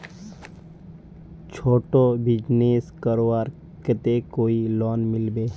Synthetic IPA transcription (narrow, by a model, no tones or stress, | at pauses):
t͡ʃʰoːʈobɪd͡ʒneːskəɾoaːɾ | ket̪ekoːilɔːnmɪlbeː